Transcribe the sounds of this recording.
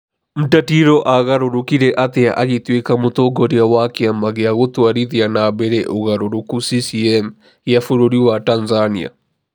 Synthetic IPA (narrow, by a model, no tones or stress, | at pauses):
m̩tatiɾɔʔaɣaɾoɾokiɾɛʔat̪ea̰ʔaɣetwekamot̪oɡɔɾeawakeamaɣeaɣot̪waɾiðianabɛɾɛʔoɣaɾoɾokusisiɛm | jafoɾoɾiwatanzania̰